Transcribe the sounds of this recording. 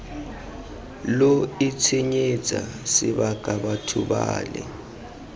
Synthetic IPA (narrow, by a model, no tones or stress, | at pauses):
loit͡sʰiɲe̥d͡z̥ʱa | siɓakʼaɓatʰuɓaːlɛ̰